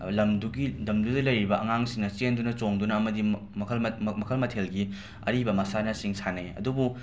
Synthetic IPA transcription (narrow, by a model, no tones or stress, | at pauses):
lɐmduɡidɐmdudɐlɐjɾibɐʔɐŋaŋsiŋnɐt͡ʃendunɐt͡ʃoŋdunɐɐmɐdi | kʰlmmɐkʰɐlmɐtʰelɡi | ɐ̰ɾibɐmɐsanɐsiŋsʰaneɐ̰dubu